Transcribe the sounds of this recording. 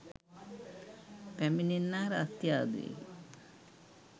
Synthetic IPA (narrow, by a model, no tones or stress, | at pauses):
pæmininːaːɾat̪jaːd̪ṵḛ